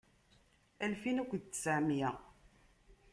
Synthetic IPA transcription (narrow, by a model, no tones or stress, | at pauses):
ælfinækʷːd̪t͡s̪ːsəʕmjʁ